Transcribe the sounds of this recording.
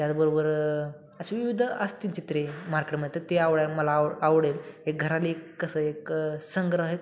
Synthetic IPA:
t̪jat͡sbəɾobəɾ | əseʋiʋid̪ʱəəst̪iɲt͡ɕit̪ɾemaɾkeʈməɳet̪əɾt̪eaʋɽjaɾməlaːʋɽelɦek̚ɡʱəɾaliekːəsəeksəŋɡɾəɦe

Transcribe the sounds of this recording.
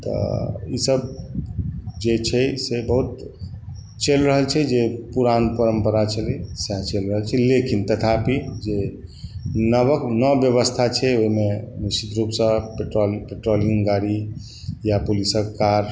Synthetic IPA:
t̪ɔ̰ḭsəb | d͡ʒet͡ʃʰɛsebəɦut̪ | t͡ʃelɾəɦəlt͡ʃʰɛd͡ʒepuɾanpəɾəmpəɾat͡ʃʰəlisat͡ʃelɾəɦəlt͡ʃʰɛlekint̪ət̪ʰapid͡ʒe | nəβəknəbjəβəst̪ʰat͡ʃʰɛoɦimenisit̪ɾupsə̃peʈɾolpeʈɾoliŋɡɡaɽi | japulisəkaɾ

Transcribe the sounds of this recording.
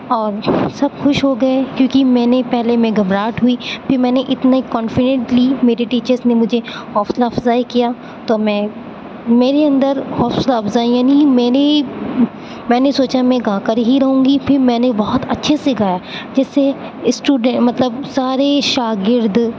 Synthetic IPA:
ɔːɾsɐbxʊʃɦoɡɐekjõːkimɛ̃ːnepɛɦlemẽɡɐmɾaːʈɦuipʰɪɾmɛ̃ːneʔɪt̪nakɔːnfɪɖə̃ɳʈlimeːɾeʈiːt͡ʃəɾznemʊd͡ʒʱehɔːfslaːfzaːikijaː | t̪oːmɛ̃ː | meːɾeɐ̃nd̪əɾhɔːfslaːfzaːijaːnimɛːne | mɛ̃ːnesoːt͡ʃamɛ̃ɡãːkəɾɦiɾɐɦũːɡipʰɪɾmɛ̃ːnebɔɦʊt̪ɐtːʃʰeseɡaːjad͡ʒɛːsːe | sʈuːɖɛmɐt̪ləbsaːɾeʃaːɡɪɾd̪ʱ

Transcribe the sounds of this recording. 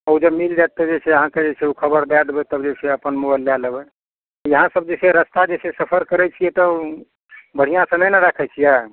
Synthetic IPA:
əud͡ʒəbmild͡ʒat̪ːəd͡ʒet͡ʃʰeəɦãked͡ʒesʰeukʰəbəɾd̪ad̪bɛt̪əbd͡ʒesʰeəpənmubəlːjaləbɛ | ɔjəɦãsəb̚d͡ʒeseɾəst̪ad͡ʒesesəpʰəɾkəɾɛt͡ʃʰijɛt̪ɔ | bəɽ̤ijãsə̃mɛnaɾakʰɛt͡ʃʰija

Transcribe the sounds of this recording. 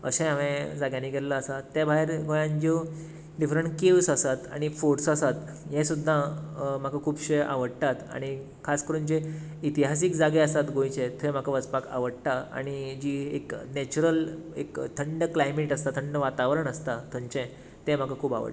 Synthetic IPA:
ə̰sẽamẽd͡zaɡjãnːiːɡʱelləːsat̪ːebʱaɦeɾɡojãnd͡ʑe | ɖifɾəɳkeʋsəsat̪a̰ɽ̃ifoʈsəsat̪ | jẽsud̪ʱːam̤akakʰuːbɕeʔa̰ʋəɽt̪at̪a̰ɽ̃i | kʰaskəɾuːnd͡ʑe | it̪iɦas̬ikd͡zaɡɛəst̪at̪ɡõjt͡ɕet̪ʰem̤akaʋət͡spaka̰ʋəɽt̪aa̰ɽ̃id͡ʑiːeknet͡ɕuɾəlḛkt̪ʰəɳɖəklajmeʈəst̪at̪ʰəɳɖəʋat̪aʋɾəɳəst̪at̪ʰõɲt͡ɕẽ | t̪ẽm̤akakʰuːba̰ʋə̰ʈ

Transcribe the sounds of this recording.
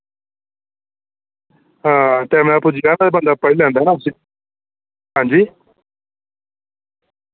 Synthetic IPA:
ɦãːt̪ɛːm̃apud͡ʒɡãːad̪eːbə̃nd̪aːpəɽilɛ̃ːnd̪aɦɛnaːʊsi | ɦãːɲd͡ʒiː

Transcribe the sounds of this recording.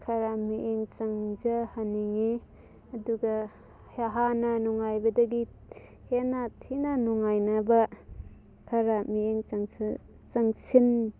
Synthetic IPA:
kʰɐɾamiʔeŋt͡ʃaŋzahaniŋi | ɐduɡa | haɦananɔŋajbɐdɐɡi | henatʰinanɔŋajnaba | kʰaɾamieŋt͡ʃaŋs | t͡ʃaŋsin

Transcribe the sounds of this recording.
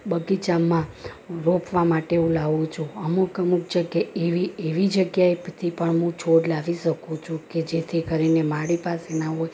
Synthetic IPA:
bəɡit͡ʃamːã | ɾopʰʋamaʈeũlaʋũt͡ʃʰũəmukəmuk̚d͡ʒəɡjaeʋieʋid͡ʒəɡjaet̪ʰipəɳɦũt͡ʃʰoɽlaʋiʃəkũt͡ʃʰũked͡ʒet̪ʰikəɾinemaɽipasenaɦoj

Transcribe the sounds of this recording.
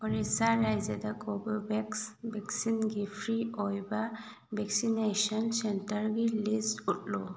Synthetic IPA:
ɔɾisaɾajzed̪akʰɔbəbɛksbɛksinɡifʰɾiɔjba | bɛksineʃənsentəɾɡilisʈutlɔ

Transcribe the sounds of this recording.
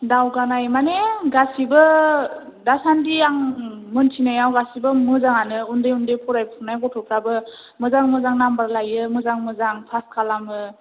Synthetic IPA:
dawɡanajmaneɡasibɯ | dasandiaŋmɯntʰinajawɡasibɯmɯzaŋanɯundɯjundɯjpʰɔɾajpʰunajɡɔtʰɔpʰɾabɯ | mɯzaŋmɯzaŋnambaɾlajɯmɯzaŋmɯzaŋpʰaskʰalamɯ

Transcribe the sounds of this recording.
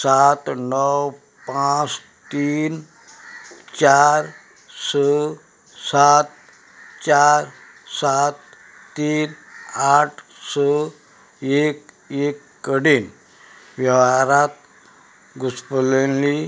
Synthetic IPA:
sat̪nəw | pãt͡s | t̪iːn | t͡ɕaɾ | sə | sat̪̚ | t͡ɕaɾ | sat̪ː | iːnaʈʰ | sə | ek | ekːəɽiːn | ʋjəwaɾat̪̚ | ɡuspəlenli

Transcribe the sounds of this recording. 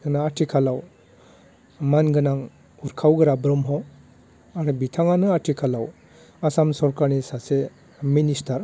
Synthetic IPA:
naatʰikʰalaw | manɡɯnaŋ | uɾkʰawɡɯɾabɾɔmɦɔ | aɾɯbitʰaŋanɯatʰikʰalaw | asamsɔɾkaɾnisase | ministaɾ

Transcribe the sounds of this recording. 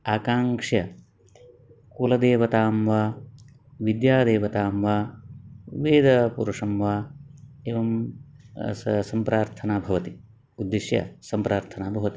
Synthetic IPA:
aːkaːŋkʂjɐ | kulɐd̪eːʋɐt̪aːmʋa | ʋid̪jaːd̪eːʋɐt̪aːmʋaː | ʋeːd̪ɐpṵɾuʂɐmʋa | eːʋɐm | sɐmpɾaːɾt̪ʰɐnaːbʱɐʋɐt̪i | ud̪ːiʃjɐ̰sɐmpɾʔaːɾt̪ʰɐnaːbʱɐʋɐt̪i̥

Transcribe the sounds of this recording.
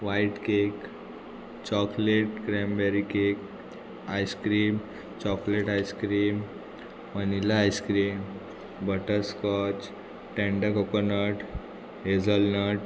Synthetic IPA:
ʋaiʈkek | t͡ɕɔkleʈ̚kɾembɛɾikek | ajskɾiːm | t͡ɕɔkleʈajskɾiːm | mənilaːjskɾiːm | bəʈəɾskɔt͡ɕ | ʈẽɳɖəkɔkɔnəʈ | ɦed͡zəlnəʈ

